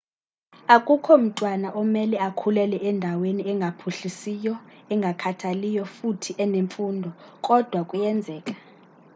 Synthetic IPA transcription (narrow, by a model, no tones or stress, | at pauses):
akʼukʰɔm̩tʼwanaʔɔmɛlɛakʰulɛlɛʔɛndʱaweniɛŋɡʱapʰuɬisijɔɛŋɡʱakʰatʰalijɔfutʰiʔɛneɱfuːndʱɔkʼɔd̥ʱwakʼujɛnd͡zʱɛːkʼḁ